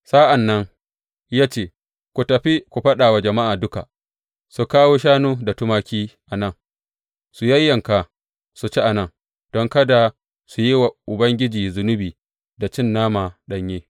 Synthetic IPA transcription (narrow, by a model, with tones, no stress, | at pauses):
saː˦ʔa˨nːɐ˦ŋ | jaː˦t͡ʃeː˦˨ | kʷu˨tɐ˨ɸi˦kʷu˨ɸɐ˦ɗaː˨wa˨d͡ʒɐ˨ma˦ʔaː˨dʊ˦ka˨ | su˨kaː˦woː˦ʃaː˦nuː˦da˨tʊ˦maː˦kʲiː˦ʔa˨nɐ˦˨ŋ | su˨jɐ˦jːɐ˨ŋka˨ | su˨t͡ʃi˦ʔa˨nɐ˦ŋ | d̥ɔ˦ŋkɐ˦da˨ | su˨ji˦wa˨ʔʊ˨bɐ˦ŋɡʲɪ˦d͡ʒiː˨zʊ˨nʊ˦biː˨ | da˨t͡ʃɪ˦nːaː˦maː˨ɗɐ˦ɲjeː˦